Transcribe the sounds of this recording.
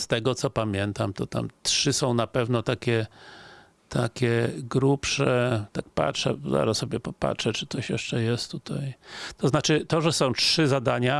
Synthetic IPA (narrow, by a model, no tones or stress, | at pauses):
st̪ɛɡɔt̪sɔpamʲjɛnt̪amt̪ɔt̪a̰mtʂɘsɔ̃w̃napɛvnɔt̪akʲɛ | t̪ʰakʲɛɡɾupʂɛt̪ak̚pa̰tʂɛ̰za̰ɾassɔbʲjɛpɔpa̰tʂɛt͡ʂɨ̥t̪sɔɕjɛʂt͡ʂɛjɛst̪t̪ːut̪ʰajt̪ɔznat͡ʂɘt̪ɔʐɛsɔ̃w̃tʂɘzad̪aɲa